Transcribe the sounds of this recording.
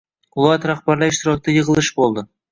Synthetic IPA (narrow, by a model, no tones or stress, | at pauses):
qʊlˠat̪ɾaχbaɾlaɪʃt̪ɪɾɒk̚t̪ajɤʁɨlˠɪʃbolˠd̪ɪ